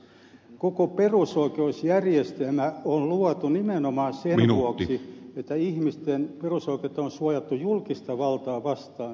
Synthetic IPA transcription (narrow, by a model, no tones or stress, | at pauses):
kokoperusoikeusjærjest̪elmæonluɑt̪unimenomɑːnsemʋnuoksiet̪ːæihmist̪enperusoiket̪ːɑonsuɑjɑt̪ːujulkist̪ɑʋɑlt̪ɑːʋɑst̪ɑːn